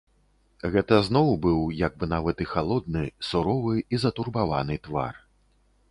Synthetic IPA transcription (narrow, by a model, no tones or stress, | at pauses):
ɣɛt̪ɐznɔwbɨwjaɡ̚bɨnavɐt̪ɨxalˠɔd̪̚nɨsuɾɔvɨizɐt̪urbava̰nɨt̪va̰r